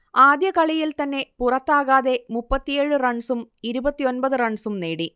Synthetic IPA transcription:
aːd̪jɐkɐɭijilt̪ɐnːe̞purɐt̪ːaːɣaːðe̞mupːɐt̪ːijeːɻɨrɐɳsumiɾubɐt̪ːio̞nbɐðɨrɐɳɖsumneːɽi

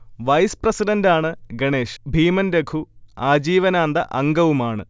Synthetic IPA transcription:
ʋɐjsprɐsiɖɐndaːɳɨɡɐɳeːʂbʱiːmɐnɾeɡʰuaːd͡ʑiːʋɐnaːnd̪ɐʔɐŋɡɐʋumaːɳɨ

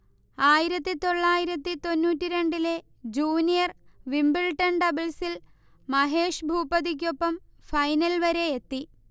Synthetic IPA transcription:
aːjiɾɐt̪ːit̪o̞ɭːaːjiɾɐt̪ːit̪o̞nːuːtːiɾe̞ɳɖile̞ | d͡ʑuːnijɐrʋimbiɭʈːɐnɖɐbilsil | mɐɦe̞ːʂbʱuːpɐðik̬ʲːo̞pːɐmfɐjnɐlʋɐɾe̞et̪ːi

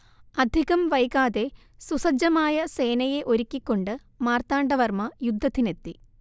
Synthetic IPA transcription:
ɐd̪ʱiɣɐmʋɐjɣaːðe̞ | susɐd͡ʑɐmaːjɐse̞ːnɐje̞ʔo̞ɾikʲːikʲːo̞ɳɖɨ | maːrt̪aːɳɖɐʋɐrmɐjud̪ʱːɐt̪ːine̞t̪ːi

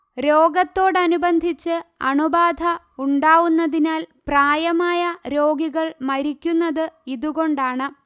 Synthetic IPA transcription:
ɾo̞ːɡɐt̪ːo̞ːɽɐnubɐnd̪ʱit͡ɕːɨɐ̰ɳubaːd̪ʱɐ | uɳɖaːʋunːɐðinaːlpraːjɐmaːjɐɾo̞ːɡiɣɐɭmɐɾikʲːunːɐðɨiðuɣo̞ɳɖaːɳɨ

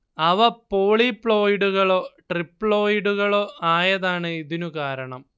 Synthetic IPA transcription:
ɐʋɐpoːɭipːɭo̞ːjɖuɣɐɭoːʈripːɭo̞ːjɽuɣɐɭo̞ːʔaːjɐðaːɳɨiðinukaːɾɐɳɐm

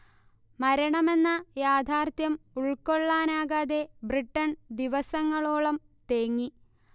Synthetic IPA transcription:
mɐɾɐɳɐme̞nːɐjaːd̪ʱaːrt̪jɐmuɭko̞ɭːaːnaːɣaːðe̞briʈːɐnd̪iʋɐsɐŋːɐɭoːɭɐm | t̪eːŋːi

